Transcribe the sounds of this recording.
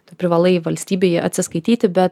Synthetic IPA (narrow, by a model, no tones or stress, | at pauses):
t̪ːpʲɾʲɪʋɐlˠɐɪʋɐlʲsʲt̪ʲiːbʲeːjɛɐt̪ʲsʲɪskɐɪt̪ʲiːt̪ʲɪbʲɛt̪